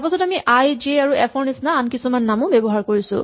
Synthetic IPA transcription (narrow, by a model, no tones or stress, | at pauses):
aɹpasɔtamiʔajd͡ʒeaɹuɛpʰɔɹnisnaːnkisumanːamʊ̃bɛbɔɦaɹkoɹisʊ̰̃